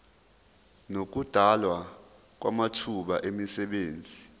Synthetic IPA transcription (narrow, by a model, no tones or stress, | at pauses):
nok̬ud̥ʱalwa | k̬wa̰matʰuɓaʔemisɛɓeːnd͡zʱi